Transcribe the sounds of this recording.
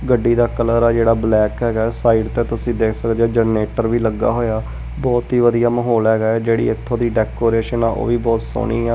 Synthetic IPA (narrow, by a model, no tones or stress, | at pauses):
ɡəɖːiːd̪aːkələɾɛːd͡ʒeːɽaːblɛːkɦɛːɡaːɛːsaːiːɖt̪eːt̪ʊsĩːd̪eːkʰsəkd̪eeːd͡ʒəneːʈəɾʋiːləɡːa̰ːɦoːjaː | bɔːt̪ɦiːʋəd̪ijaːməɦoːlɦɛːɡaːɛːd͡ʒeːɽḭːɪt̪ʰːõːd̪iːɖɛːkoːɾeːʃənãːʔo̰ːʋiːbɔːt̪so̰ːniːɛː